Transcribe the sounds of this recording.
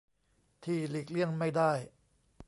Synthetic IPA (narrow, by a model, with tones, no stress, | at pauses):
t̪ʰiː˥˩liː˨˩k̚li˥˩əŋma˥˩jdaː˥˩j